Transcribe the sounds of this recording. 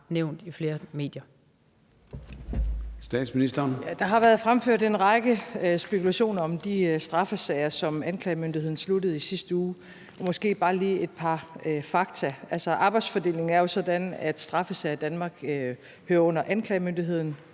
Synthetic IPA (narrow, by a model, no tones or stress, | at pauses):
neʊ̰nd̥ifle̝ːɐme̝ːd̥jɐ | sd̥ɛ̰ːd̥sminisd̥ɐːnjæd̥ɑ̈ɦɑ̈ʋæɐð̞ˠfʁamføɐ̰de̝nʁɑ̈ɡ̥əsb̥e̝kʰulæɕo̝̰ːnɐɒ̽md̥isd̥ʁɑ̈fəsɛɪɐsɒ̽mænkʰlɛɪmønd̥ihe̝ð̰ˠn̩sludəð̞̩ˠisisd̥əuː | ɒmɒ̽sɡ̥e̝̰ːb̥ɑ̈ːliːe̝d̥̚pʰɑ̈øfɑ̈ɡ̥̚t͡sʰæælsɒʔɑ̈ːb̥ɑ̈ɪdsfɒ̽d̥e̝̰ːle̝ŋ̩æɐjo̝sɒ̽d̥ænæd̥sd̥ʁɑ̈fəsɛɪɐd̥ænmɑ̈ːɡ̥ | høːɐɔ̽n̰ɐʔænkʰlɛːmønd̥iɦe̝ð̞̰ˠn̩